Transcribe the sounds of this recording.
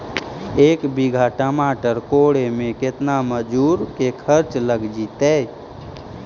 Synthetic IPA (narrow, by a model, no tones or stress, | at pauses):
ekbiɡʱaʈəmaʈəɾkoɽemeket̪naməd͡ʒuɾkekʰəɾt͡ʃləɡd͡ʒit̪ɛ